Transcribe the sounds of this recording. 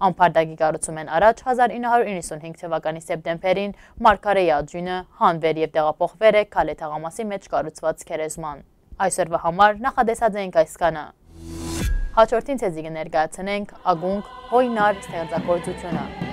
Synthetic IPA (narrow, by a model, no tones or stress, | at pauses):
ɑmpʰɑɾd̪ɑɡikɑrut͡sʰumɛnɑɾɑt͡ʃʰhɑzɑɾinːəhɑɾuɾinːəsunhiŋɡt̪ʰəvɑkɑnisɛp̚t̪ɛmbɛɾin | mɑɾkʰɑɾɛjiɑd͡ʒunəhɑnvɛɾjɛvt̪ɛʁɑpʰɔχvɛɾɛkʰɑlɛt̪ʰɑʁɑmɑsimɛt͡ʃʰkɑrut͡sʰvɑt͡skʰɛɾɛzmɑn | ɑjsɔɾvɑhɑmɑɾnɑχɑt̪ɛsɑd͡zɛiŋkʰɑjskɑnə̰ | hɑt͡ʃʰɔɾt̪ʰint͡sʰɛzikənɛɾkɑjɑt͡sʰnɛŋkʰɑɡuŋɡhɔjnɑɾst̪ʰɛχt͡sɑkɔɾt͡sut͡s̪ʰjunə